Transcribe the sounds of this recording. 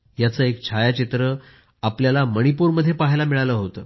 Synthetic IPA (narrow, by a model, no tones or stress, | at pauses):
jat͡səekt͡ɕʰajat͡ɕit̪ɾə | apljalaməɽ̃ipuɾməd̪ʱːjepaɦjlamiɭajləɦot̪əː